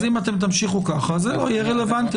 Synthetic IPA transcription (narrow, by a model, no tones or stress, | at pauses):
zimat̪e̞mt̪̬amʃiχukaχazeojɛʁele̞vant̪